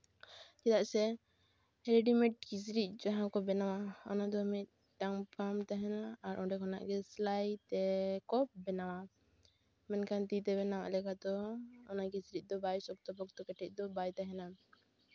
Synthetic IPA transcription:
d͡ʒɛd̪aʔsɛ | ɛɾɛɖimɛʈ̚ɡisɾit̪̚ˀd͡ʒaɦãkɔbɛnawaɔ̰nad̪ɔamit̪̚ | ɖaŋpamt̪aɦɛnaːɾʔɔɖɛkʰɔna̰ʔɡɛslajt̪ɛkɔbɛnawa | mɛnkʰant̪it̪ɛβɛnawa̰ʔlɛkad̪ɔːnaɡisɾit̪̚d̪ɔbajsɔk̚t̪ɔbɔk̚t̪ɔkɛʈʰɛc̚ˀd̪ɔbajt̪aɦɛna

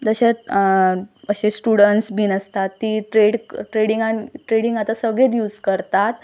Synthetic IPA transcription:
d͡zəɕet | əɕesʈuɽəɳʈsbʱiːnəst̪at̪ːiːʈɾeɽʈɾeɽiŋɡaniʈɾeɽĩŋɡat̪asəɡɭet̪̬juːd͡zkəɾt̪at̪

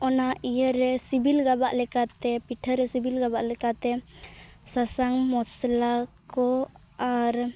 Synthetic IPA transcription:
ɔnaʔijəɾɛsibilɡabaʔlɛkat̪ɛpiʈʰəɾɛsibilɡabaʔlɛkat̪ɛ | sasaŋmɔslakɔ | aɾ

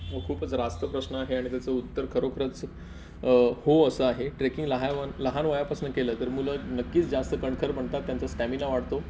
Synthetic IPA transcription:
okʰuːpət͡sɾast̪əpɾəsnəaɦeaɽ̃it̪jat͡səut̪ːəɾkʰəɾokʰəɾət͡s | hoəsəaɦeʈɾekiŋɡləɦaʋanləɦanʋəjapasnəkeləːt̪əɾmulənəkːiːt͡sd͡zast̪əkəɳkʰəɾbʱəɳt̪at̪ːjant͡səsʈæminaʋaɽt̪o

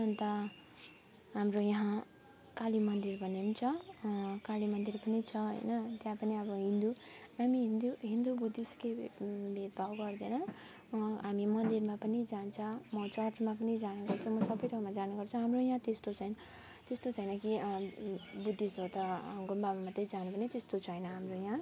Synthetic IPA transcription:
nʌnt̪ʌ | ɦamrojʌɦã | kalimʌnd̪irbʱʌnemit͡sʰʌkalimʌnd̪irpʌnit͡sʰʌɦʌ̰jnʌt̪jãpʌniʌbʌɦind̪unamiɦnd̪uɦind̪ubud̪ʱiskebet̪̚bʱawɡʌrd̪enʌ | ɦamimʌnd̪irmapʌnid͡zant͡sʰʌmʌt͡sʌrt͡smap̬ʌnid͡zanuɡʌrt͡sʰʌ̃mʌsʌbʌjt̪ʰʌmad͡zanuɡʌrt͡sʰʌ̃ɦamrojãt̪est̪ot͡sʌjn | t̪est̪ot͡sʰʌjnʌki | bud̪ʱːisɦot̪ʌɡumbamamat̪ed͡zanupʌnet̪est̪ot͡sʰʌɦʌjnʌɦamrojã

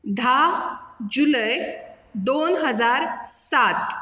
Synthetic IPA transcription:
d̪ʱa | d͡ʑuləj | d̪onɦəd͡zaɾsat̪

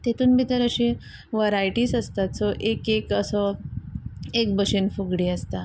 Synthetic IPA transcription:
t̪et̪uːnbid̪əɾəɕe | ʋaɾajʈiːsəst̪at̪sɔʔekekəsɔ | ek̚bəɕenfuɡɽiːəst̪a

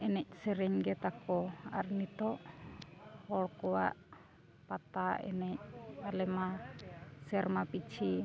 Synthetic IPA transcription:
ɛnɛc̚sɛɾɛŋɡɛt̪akɔa̰rnit̪ɔʔ | hɔlkɔwa̰ʔ | pat̪aʔɛ̰nɛc̚alɛma | sɛrmapit͡ʃʰi

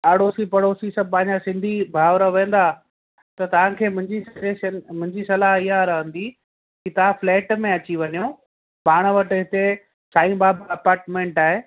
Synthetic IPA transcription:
aːɽoːsipɐɽoːsisɐb̚ʱpɐ̃ɦɪ̃ɲd͡ʑasɪ̃nd̪ʱibʱaːʋɾəʋẽːnd̪a | t̪ɐt̪ɐʋ̤ãkʰeːmʊ̃ɪɲd͡ʑisɐeʃənmʊ̃ɪ̃ɲd͡ʑisɐlaɦɪɦaɾɐɦə̃nd̪i | kit̪ɐʋ̤ãflɛːʈmẽɐt͡ɕiʋɐɲijõ | paːɽ̃ʋɐʈɪɦɪt̪e | saːĩbaːbɐpaːɾʈmẽːɳʈaːɦe

